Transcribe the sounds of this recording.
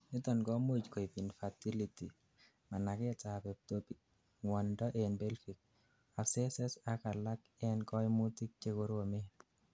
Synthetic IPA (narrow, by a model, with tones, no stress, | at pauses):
nɪ˦tɔ˨nkɔ˦mu˦d͡ʒkɔ˨i˨pi˨nfa˨ti˦li˨ti˨ | ma˨na˨kɪ˦ta˨pɛ˨p̚to˦pi˨k | ŋwɔ˨ndɔ˦ʔe˨nbe˦lfi˨k̚ | a˨sɛ˦sɛ˦sa˨ka˨la˦k | ɛ˦nkɔ˦ɪ˦mu˦ti˦k̚t͡ʃe˦ko˨ɾo˨me˦